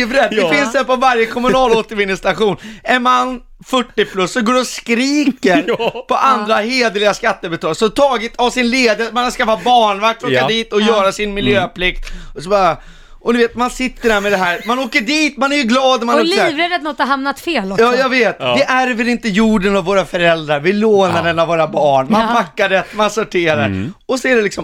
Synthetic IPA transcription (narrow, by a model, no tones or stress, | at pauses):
vɾɛd̪ɛfɪnsd̪ɛpɔvaɾjəkʰɔmɵnɑːloːt̪əɾvɪnːəst̪aɧuːnɛnmanː | fœʈːɪpʰlɵsːɔɡoːɾɔskɾiːkəɾpʰɔʔand̪ɾaheːd̪əlɪɡaskat̪ːəbɛt̪ʰɑːlɡsɔt̪ʰɑːɡɪt̪avsɪnleːd̪əmanaskafat̪̚bɑːɳvak̚t̪ɾoːkːad̪iːt̪ɔjœːɾasɪnmɪljøːpʰlɪkt̪ɔsɔbɑɾa | ʔɔd̪ɵveːt̪mansɪt̪ːəɖæːɾmɛd̪ɛɦæːɾmanoːkəɖiːt̪manæɾjɵɡlɑːd̪ɔmanɔvɾɛd̪ɛt̪nɔt̪haɾɦamnat̪feːlɔjɑːjaveːt̪d̪ɛʔæɾvɛlɪnt̪əjuːɖənavːoːɾafœɾɛld̪ɾaɾvɪloːnad̪ɛnavːoːɾabɑːɳmanbakːaɖɛt̪mansɔʈʰeːɾa̰ɾɔsɔæɖɛlɪksɔm